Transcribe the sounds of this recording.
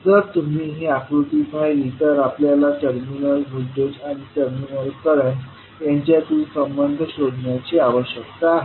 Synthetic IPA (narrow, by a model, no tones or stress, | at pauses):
d͡zəɾt̪um̤iːɦiakɾut̪ipʰajit̪əɾapljalaʈəɾminəlbʱudod͡ʑaɽ̃iʈəɾminəlkəɾən | jãɲt͡ɕjat̪umisəmbənd̪ʱəɕod̪ʱɳjat͡ɕeaʋəɕəkt̪a